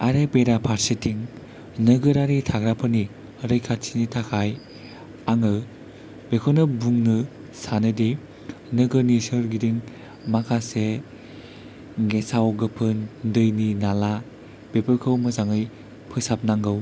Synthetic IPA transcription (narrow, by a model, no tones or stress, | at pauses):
aɾepeɾapʰaɾsetʰiŋ | nɯɡɯɾaɾitʰaɡɾapʰɯni | ɾɯjkʰat̚sʰinitʰakʰaj | aŋɯ | b̥ekʰonɯbuŋnɯ | sanɯdi | nɯɡɯnisɯɾɡidiŋ | makʰase | ɡesawɡɯpʰɯndɯjninala | b̥epɯɾkʰɯwmɯzaŋɯj | pʰɯsap̚naŋɡɯw